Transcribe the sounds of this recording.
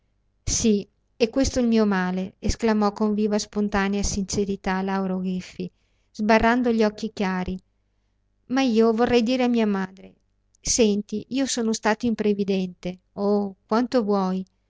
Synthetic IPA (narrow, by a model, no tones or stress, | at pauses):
si | ɛkːwest̪oilmiːomaːleesklamɔkːoɱviːvaspont̪aːneasint͡ʃeɾit̪alawɾoɡifːi | zbarːand̪oʎɔkːikjaːɾi | maiːovorːɛjd̪iːɾeamiːamaːd̪ɾe | sɛnt̪iʔiːosoːnost̪aːt̪oimpɾevid̪ɛnt̪e | okwant̪ovwɔj